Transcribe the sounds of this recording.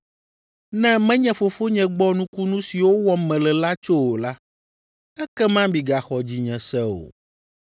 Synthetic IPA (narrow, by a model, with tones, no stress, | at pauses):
nɛ̃˦mɛ̃˦ɲɛ̃˨fo˨fo˦ɲɛ̃˨ɡ͡bɔ˦nũ˦ku˦nũ˦si˨wo˦wɔ˦mɛ̃˨lɛ˨la˦t͡ʃo˦wo˨la˦ | ɛ˦kɛ˦mã˦bi˨ɡa˨xɔ˨d͡ʑi˨ɲɛ̃˨sɛ˦o̰˨